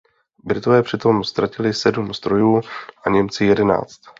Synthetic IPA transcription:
bɾɪt̪o̞vɛːpr̝̥ɪt̪o̞mst̪ɾacɪlɪsɛdumst̪ɾo̞juːʔaɲɛmt͡sɪjɛdɛna̰ːt͡st̪

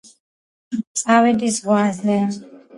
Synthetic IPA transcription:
sʼawɛd̪izʁwazlɛ

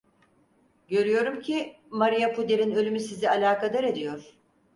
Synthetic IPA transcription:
ɟø̞ɾyjo̞ɾumcʰi | maɾijapʰud̪e̞ɾinø̞lʲymysizialʲaːkad̪aɾe̞d̪ijo̞ɾ̥

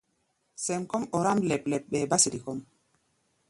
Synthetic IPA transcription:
sɛmkɔmɔɾamlɛplɛp̚ɓɛbasiɾikɔm

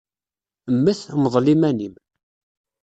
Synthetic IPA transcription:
əmːəθməðˤlimænim

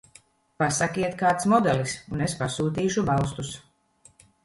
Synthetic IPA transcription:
pasakiɛt̪kaːt̪smɔd̪ɛlisunespasuːt̪̬iːʃubalˠs̬t̪us

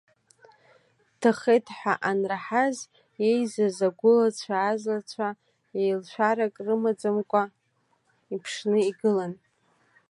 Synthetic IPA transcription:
tʰaχejtʰħʷᶣaʔanraħaz | je̞jzazaɡʷʊlat͡ɕʷʰaːzlat͡ɕʷʰa | ejlʃʷᶣaɾakʼrɨmad͡zamkʷʼa | ipʰʂnɨiɡɨlan

